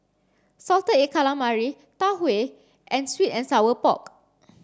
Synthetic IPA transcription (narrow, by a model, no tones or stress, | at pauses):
sɔltəekʰalãmaɹi | tawe | ʔɛ̃nswitɛ̃nsawəpɔ̰k